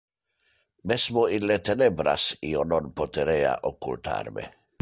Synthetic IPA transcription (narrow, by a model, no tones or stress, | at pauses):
mesmoinlet̪enebɾa̰siononpot̪eɾea̰ʔokːṵlt̪ʰa̰rmḛ